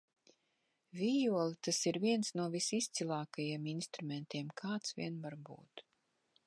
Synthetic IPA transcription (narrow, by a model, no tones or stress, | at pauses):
vʲijuɔlit̪asiɾviɛnsnuɔvisist̪silˠaːkajiɛminst̪ɾumɛnt̪ʲiɛmkʰaːt̪svʲḭɛnvaɾbṵːt̪